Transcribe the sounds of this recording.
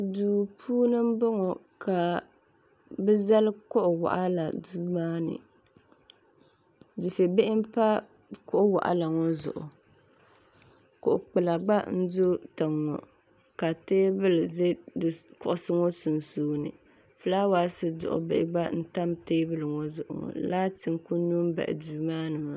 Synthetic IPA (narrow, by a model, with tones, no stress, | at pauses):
duː˨pʰuː˦nɨ˦m̩˦bɔ˦ŋɔ˨ | ka˨ | bɛ˦za˦lɨ˦kʊ˦ʔʊ˨wa̰˨ʔa˦la˨du˦maː˦nɨ̰˨ | dɨ˨fe˨be˦ʔɪ˦m˦pa˦ | kʊ˦ʔʊ˦wa̰˨ʔa̰˨la˨ŋɔ˦zʊ̰˨ʔʊ˨ | kʊ˨ʔʊ˨k͡pɨ˨la˨ɡ͡ba˦n̩˦do˦ta˨ŋːɔ̰˨ | ka˨teː˦bɨ˦lze˦dkʊ˦ʔʊ˦˨sɨ˦ŋɔ˦su˨nsuː˦nɨ̰˨ | fɨ˨laː˦waː˨˦sɨ˦dʊ̰˨ʔʊ̰˨bɪ˨ʔɪ̰˨ɡ͡ba˦n̩˦ta˦mteː˦bɨ˦lɨ˨ŋɔ˦zʊ˨ʔʊ̰˨ŋɔ̰˨laː˦tɨ˨ŋku˦nu˦m˦ba̰˨ʔɪ̰˨du˨maː˦nɨ˨ma˨